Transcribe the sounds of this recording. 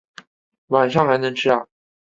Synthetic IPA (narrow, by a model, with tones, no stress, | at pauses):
wa˨˩nʂɑ˥˩ŋxa˧˥ɪnɤ˧˥ŋʈ͡ʂʰɻ̩˥a˥˩